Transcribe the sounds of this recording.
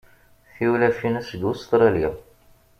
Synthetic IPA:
θiwlæfinæsɡ̪ust̪ɾˤɑlja

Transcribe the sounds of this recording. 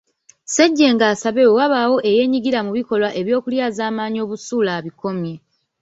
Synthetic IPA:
seɟːe̞ŋɡaːsaβe̞wewaβawo̞ʔe̞je̞ːɲiɡiɾamuβiko̞lwaʔe̞βjo̞ːkuljaːzaːmaːɲio̞ːβusuːlaːβiko̞mje̞

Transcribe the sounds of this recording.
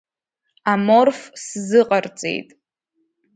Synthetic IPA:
amorfszɨqʼart͡sʼḛjtʼ

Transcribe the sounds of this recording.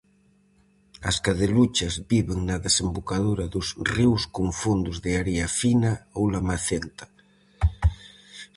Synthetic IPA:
ɐ̰skaðelut͡ʃɐzbiβeŋnaðesembokaðuɾɐðʊsriwskoɱfund̪ʊzðɪaɾiafinaowlamaθent̪ḁ

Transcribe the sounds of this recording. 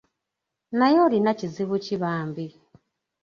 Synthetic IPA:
najolinaciziβuciβaːmbi

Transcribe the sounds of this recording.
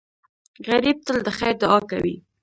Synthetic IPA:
ɣaɾib̚t̪əld̪əxajɾd̪ʊɑkawḭ

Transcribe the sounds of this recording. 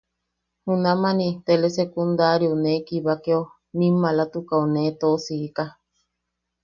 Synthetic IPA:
hunãmãnĩt̪elesekund̪aɾionekiβakeo | mĩmãlat̪ukaonet̪osiːka

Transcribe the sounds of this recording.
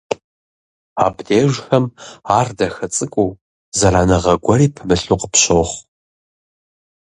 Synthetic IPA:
a̰ːbdeːʒʷxɐmaːrdɐxɐt͡sʼɨkʷʼuː | zɐraːnɐʁɐɡʷɐɾiːpʰɨmɨɬʼuːqəpɕoːχ

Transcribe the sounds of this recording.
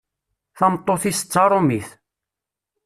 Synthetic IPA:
θɑmt̪ˤːoθisə̥t͡sːɑɾˤomiθ

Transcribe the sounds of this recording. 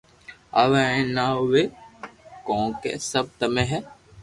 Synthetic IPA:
ɐʋɛ̃naʊʋe | kɔ̃ːkḛsɐb̚t̪ɐmẽɦɛ

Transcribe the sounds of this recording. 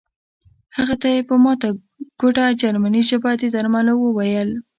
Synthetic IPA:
haɣat̪ajepəmɑt̪a | ɡ̥oʈad͡ʒaɾmaniʃabɑt̪ed̪aɾmalawəwajəl

